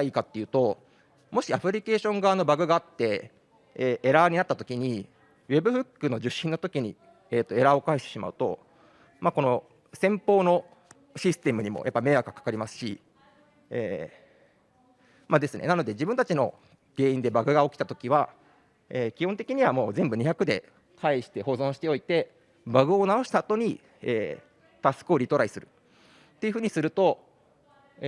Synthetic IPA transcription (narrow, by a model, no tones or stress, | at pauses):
aiːkat̪ːe̞jɯ̟ːt̪o̞ | mo̞ɕiapɯ̟ɾʲike̞ːɕõ̞ŋɡaːno̞baɡɯ̟ɡaːt̪ːe̞ | eːeɾaɲ̟inat̪ːat̪o̞kʲiɲ̟i | βe̞bɯ̟ɸɯ̟kːɯ̟no̞ʑɨɕĩnːo̞t̪o̞kʲiɲ̟i | eːt̪ːo̞e̞ɾaokaiɕt̪e̞ɕima̰ɯ̟t̪o̞̰ | maːko̞no̞ | sẽ̞mpo̞ːno̞ | ɕisɨ̥t̪e̞mɯ̟ɲ̟imo̞̰jʔapːame̞akakḁkaɾʲimasɨ̥ɕḭ | eː | mad̪e̞sɨne̞̰nano̞d̪e̞d͡ʑibɯ̟̃nt̪at͡ɕino̞̰ | ɡ̥e̞ːĩnd̪e̞baɡɯ̟ɡaokʲi̥t̪at̪o̞kʲiβa | eːkʲihont̪e̞kʲiɲ̟iβamo̞ːzẽ̞mbɯ̟ɲ̟içakɯ̟d̪e̞̰ | kaiɕi̥t̪e̞ho̞ːzõ̞ɕi̥t̪e̞o̞it̪e̞ | baɡɯ̟o̞nao̞ɕi̥t̪aːt̪o̞ɲ̟i | ḛː | t̪asɨ̥kɯoɾʲit̪o̞ɾaisɨɾɯ̟ | t̪ːeɯ̟ɸɯ̟ːɲ̟isɨɾɯ̟t̪o̞